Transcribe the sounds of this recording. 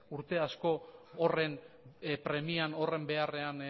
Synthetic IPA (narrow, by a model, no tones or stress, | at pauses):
uɾt̪e̞asko̞ːre̞n | pɾe̞miano̞re̞mbe̞are̞an